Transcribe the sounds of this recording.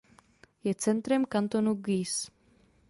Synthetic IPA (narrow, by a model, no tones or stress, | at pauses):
jɛt͡sɛnt̪ɾɛmkant̪o̞nuɡis